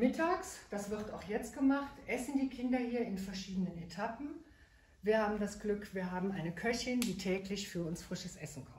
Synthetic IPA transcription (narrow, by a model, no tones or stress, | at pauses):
mɪtʰaːksd̥asv̥ɪʁtaʊxjɛt͡st̚ɡ̥əmaχtʔɛsn̩diːkʰɪndɐhiːɐɪnfɛɐʃiːdənənetʰapn̩ | viːɐhaːbm̩dasɡ̥lʏkv̥iːɐɦaːbm̩ʔaɪnəkʰœçɪndiːtʰɛːklɪçfyːɐʊnsfʁ̥ɪʃəsʔɛsn̩kʰɔm